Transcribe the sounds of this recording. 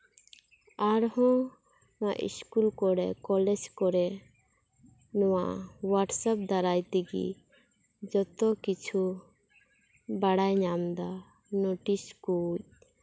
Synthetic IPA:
aɾhɔ̃ | naʔḭskulkɔɾɛkɔlɛd͡ʒkɔɾɛ | nɔwaʔwaʈsap̚d̪aɾajt̪ɛɡḭ | d͡ʒɔt̪ɔkit͡ʃʰu | baɽajɲamd̪a | nɔʈiskuc̚

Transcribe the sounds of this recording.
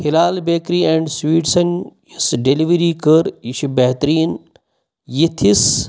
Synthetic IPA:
hɪlaːlbeːkɾiːẽːɳɖswiːʈsɐnjisɖeliʋɾiːkəɾiʃibeɦt̪ɾiːn | jit̪ʰis

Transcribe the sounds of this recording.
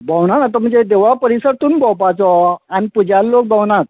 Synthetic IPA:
bawɳanat̪əm̤əɳd͡zed̪eʋapəɾisəɾt̪uːnbɔwpat͡sɔanipud͡ʑalːok̚bawɳat̪̚

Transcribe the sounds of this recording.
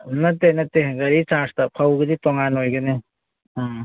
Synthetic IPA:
nɐtːenɐtːeɡɐɾit͡ʃaɾstɐpʰɐwɡɐditoŋanojɡɐne

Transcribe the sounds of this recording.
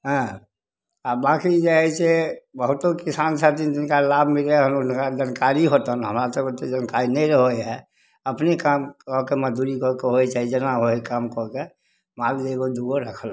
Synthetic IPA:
ɦã | abaːkid͡ʒaɛt͡ʃebəɦʊt̪okɪsansat̪ind͡ʒ̪ɪnkalaːbʱmɪleɦəmʊnkad͡ʒənkaɾiɦot̪ənɦəmɾat̪oot̪ːed͡ʒənkaːɾinəĩɾəɦoeɦɛ | əpnekamkɔkeməd̪uɾikɔkeɦoet͡ʃaːɦid͡ʒenaɦoekaːmkɔke | maːld̪eɡod̪uɡoɾəkʰəl

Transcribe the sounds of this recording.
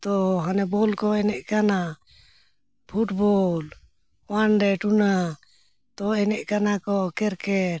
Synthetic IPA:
t̪ɔɦanɛbɔlkɔɛnɛʔkana | pʰuʈbɔl | wanɖɛʈuna | t̪ɔɛnɛʔkanakɔkɛɾkɛʈ̚

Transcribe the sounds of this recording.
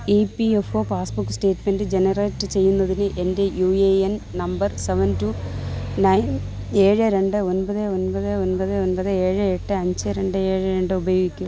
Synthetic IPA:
ipiefoːpaːsbukːsʈe̞ːtme̞ndɨd͡ʑe̞nɐreːtːɨt͡ɕe̞jːunːɐðinɨʔe̞nde̞juːeennɐmbɐrseʋɐntunɐjn | e̞ːɻɨɾe̞ɳɖɨo̞nbɐðɨonpɐðɨonbɐðɨonpɐðɨe̞ːɻɨeʈːɨɐɲd͡ʑɨɾe̞ɳɖɨe̞ːɻɨɾe̞ɳɖɨubɐjoːɡikʲːu

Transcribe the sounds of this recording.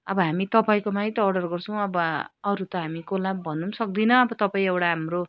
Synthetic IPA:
ʌbʌɦamit̪ʌpaĩkomaj̃t̪ʌːɖʌrɡʌrt͡sʰʌw̃ʌbʌːɾut̪ʌɦamikolabbʱʌnunsʌk̚d̪inʌːbʌt̪ʌpaĩewʈaɦamro

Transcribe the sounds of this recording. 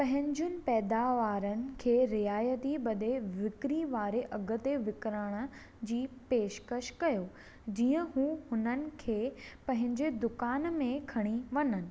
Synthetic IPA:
pɐ̃ɦɪ̃ɲd͡ʑʊnɪ̆pɛːd̪aːʋaːɾənɪ̆kʰeːɾɪaːjət̪ibɐd̪eʋɪkɾiʋaːɾeʔɐɡʊ̆t̪eʋɪkɾəɽ̃ə̆ | d͡ʑiːpeːʃkəʃkɐjoː | d͡ʑiːə̃ɦũːhʊnənɪ̆kʰeːpɐ̃ɦɪ̃ɲd͡ʑed̪ʊkaːnmẽkʰɐɽ̃iʋɐnənɪ̆

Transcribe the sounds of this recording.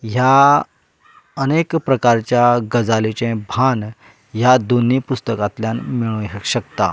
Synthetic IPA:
ɦja | ənekpɾəkaɾt͡ɕjaɡəd͡zalit͡ɕɛ̃bʱan | jad̪onipust̪əkat̪ljanmiɭũɕəkt̪a̰

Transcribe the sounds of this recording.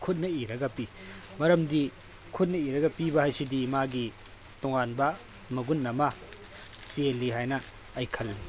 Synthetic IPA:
kʰut̚nɐiɾɐɡɐpimɐɾɐmdi | kʰut̚nɐiɾɐɡɐpibɐhajsidimaɡi | toŋanbɐmɐɡunːɐmɐ | t͡ʃelːiɦajnɐː | jkʰɐlːi

